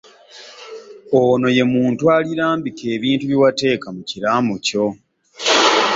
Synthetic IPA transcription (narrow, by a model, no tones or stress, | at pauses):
ono̞je̞muːntwaliɾaːmbike̞ːβiːntuβjiwate̞ːkamuciɾaːmoco̞